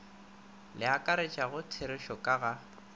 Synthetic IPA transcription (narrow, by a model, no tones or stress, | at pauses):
lɪakʼaɾet͡ʃʼaɣʊtʰeɾɪʃɔkʼaɣa